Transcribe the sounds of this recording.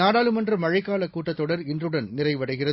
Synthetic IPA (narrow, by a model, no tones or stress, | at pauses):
aːɽaːlɯmɐndrɐmɐɻɐɪkːaːlɐkːuːʈːɐt̪ːɔɽɐɾɪndrɯɽɐnnɪrɐɪʋɐɽɐɪɣɪrɐ